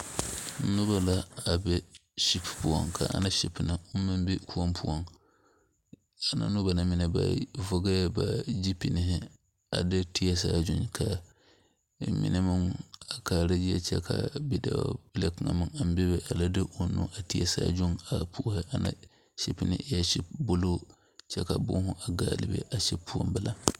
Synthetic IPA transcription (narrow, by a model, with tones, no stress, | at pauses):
n̩˦nʊ˦ba˦la˦a˨bɛ˦ʃi˦ppu˨ɔ̰˨ŋkʰa˨a̰˨nã˦ʃi˦pnɪ˨ʊ˦mɪ̃˦m˦bɛ˦kʰu˦ɔ˦mpʰu˦ɔ˦n | a˨nã̰˨nʊ̃˦ba˨nã˦mɪ̃˦nɛ˨ba̰˨vɔ˦ɡa˦ba˨d͡ʒi˦pi˨nɪ˨ɦɪ˦ | a˨dɪ˦tʰi˦ɛ˦s̬aː˦˨d͡ʒʊ̃˦nkʰa˨ | mɪ̰˨nɛ˦mɨ˦ŋa˨ka˨ɾa˦d͡ʒi˦jɛ̰˦t͡ʃɛ̰˦kʰa˨bi˦da̰˨bɨ˦la˦kɨ˨ŋa̰˨mɨ˦ŋa˨m˦bɛ˦bɛ˦ʔa˨la˦dɨ˦ʔo˦nṵ˦ʔa˨ti˦jɛ̰˦sa̰ː˦˨d͡ʒʊ˦ŋa˨pʰu˦hɪ˦ʔa˨na̰˦ | ʃi˦pi˦nɪ̰˦ja˦ʃɛ˦bʊ˦lo˦ | t͡ʃɛ˦ka˨bʊ̰˦hʊ˦ʔa˨ɡa̰ː˨lɪ̰˨bɛ̰˦ʔa˨ʃɛ˦pʰu˦ɔ̰˦mbɨ˨la˨